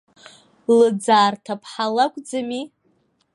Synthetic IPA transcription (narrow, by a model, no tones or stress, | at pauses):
lɨd͡zaːrtʰapʰħalakʷʼd͡zami